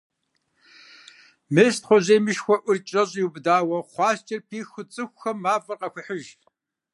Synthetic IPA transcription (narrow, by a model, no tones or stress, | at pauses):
meːɕtχʷɔʑeːmɨʃxʷɔʔʷʊrt͡ʃʼɐɕʼjwubdaːwɐχʷɑːst͡ʃʼɐrpʰiːxʊt͡sʼɨxʷxɐmːaːfʼɐrqɐxʷʊħəʒ